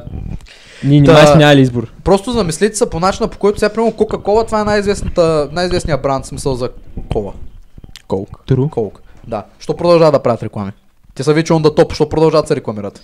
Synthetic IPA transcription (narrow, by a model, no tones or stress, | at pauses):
nʲinimasnʲaliizboɾpɾɔst̪ʊzɐmislʲit̪i̥səponat͡ʃinəpo̥kɔjt̪ʊ̥sʲapɾimɛɾokɔkɐkɔvˠɐt̪vaɛnajizvɛsnət̪ənajizvɛsnijəbɾant̪smisəlˠzɐkɔlˠɐ̰ | kɔlˠkd̪ɾukʰɔlˠkd̪aʃt̪ɔpɾod̪ɐlˠʒavɐd̪ɐpɾavət̪ɾɛklˠa̰mi | t̪ɛsəvit͡ʃiɔnd̪ɐt̪ɔpʃt̪ɔpɾod̪ɐlˠʒaɐd̪sɛɾɛklˠɐmiɾət̪